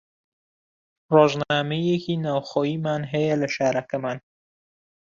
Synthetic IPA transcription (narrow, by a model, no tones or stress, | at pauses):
roːʒnaːmejekiːnaːwxoːjiːmaːnɦɐjɐlɐʃaːɾɐkɐmaːn